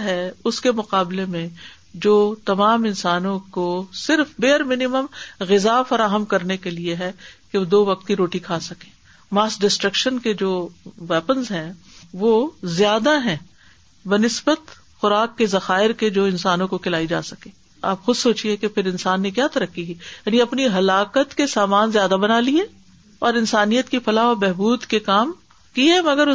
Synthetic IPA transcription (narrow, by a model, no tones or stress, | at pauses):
ɦɛʊskemʊqaːblemẽ | d͡ʒoːt̪ɐmaːmɪnsaːnõkosɪɾfbeːəɾmɪnɪməmɣɪzafɐɾaːɦəmkɐɾnekelieɦɛkeod̪oːʋɐq̚t̪kiɾoːʈikʰaːsɐkẽː | maːsɖɪsʈɾəkʃənked͡ʒoːʋɛːpənzɦɛ̃ | ʋoːzjaːd̪aɦɛ̃ː | bɐnɪsbət̪ | xʊɾaːkːezɐxaːɪɾked͡ʒoːɪ̃nsaːnõkokʰɪlaːid͡ʒa̰ːsɐkẽː | a̰ːpxʊd̪soːt͡ʃiekepʰɪɾɪnsaːnːekjaːt̪ɐɾəkːiɦjaːniɐpniɦɐlaːkət̪kesaːmaːnzjaːd̪abɐnaːliẽ | ɔːɾɪ̃nsaːnijət̪kifʰɐlaːʋabɛɦbuːd̪kekaːm | kiɛmɐɡəɾʊ